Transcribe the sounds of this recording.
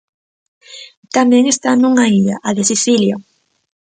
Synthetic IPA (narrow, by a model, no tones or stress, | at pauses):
t̪amɛŋest̪anuŋaiʎa̰ʔaðesiθiljo